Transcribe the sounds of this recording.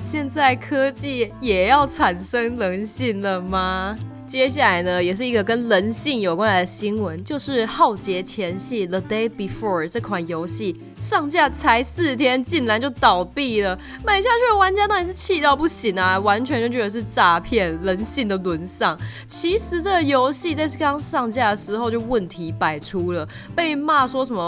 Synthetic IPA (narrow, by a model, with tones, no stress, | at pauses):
ɕjɛ˥˧nt͡sa˥˩ɪkʰɤ˥t͡ɕi˥˩jɛ˨˩jɑ˥˩ʊʈ͡ʂʰa˨˩nʂɤ˥ŋlə˧˥nɕi˥˩ŋlə˩ma˨˩ | t͡ɕjɛ˥ɕ̬ja˥˩la˧˥ɪnə˧jɛ˨˩ʂ̬ɻ̩˥˩i˧˥ɡə˧kə˥nlə˧˥nɕi˥˩ŋjo˨˩ʊkwa˥nla˧ɪd̪ə˧ɕi˥nwə˧˦nt͡ɕjo˥˧ʊʂɻ̩˥˧xɑ˥˩ʊt͡ɕjɛ˧˥t͡ɕʰjɛ˧˥nɕi˥˩ðə˨d̪e˥ɪbi˨˩fɔ˥˩ʈ͡ʂɤ˥˩kʰwa˨˩njo˧˥ʊɕi˥˩ | ʂɑ˥˧ŋt͡ɕja˥˩t͡sʰa˧˥ɪsɹ̩˥˩t̪ʰjɛ˥nt͡ɕi˥˩nla˧˥nt͡ɕjo˥˩ʊt̪ɑ˨˩ʊpi˥˩lə˩ | ma˨˩ɪt͡ɕja˥˧t͡ɕʰy˥˩˨wa˧˥nt͡ɕja˥t̪ɑ˥˩i˨˩ʂɻ̩˥˧˩t͡ɕʰi˥˧t̪ɑ˥˧ʊpu˥˩ɕi˨˩ŋa˧wa˧˥nt͡ɕʰɥɛ˧˥nt͡ɕo˥˩t͡ɕɥɛ˧˥d̪ə˧ʂɻ̩˥˩ʈ͡ʂa˥pʰjɛ˥˩nlə˧˥nɕi˥˩ŋd̪ə˩lwə˧˥nʂɑ˥˩ŋ | t͡ɕʰi˧˥ʂɻ̩˧˥ʈ͡ʂə˥˩ɡə˩jo˧˥ʊɕi˥˧t͡sa˥˧ɪ˥kɑ˥ŋʂɑ˥˧ŋt͡ɕja˥˩ə˩ʂɻ̩˧˥xo˥˧ʊt͡ɕjo˥˧ʊwə˥˩nt̪ʰi˧˥pa˨˩ɪʈ͡ʂʰu˥lə˨ | pe˥˧ɪma˥˩ʂwɔ˥ʂə˨˩nmə˧˦